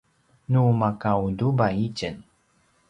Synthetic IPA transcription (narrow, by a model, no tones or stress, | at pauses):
numakawdubaicən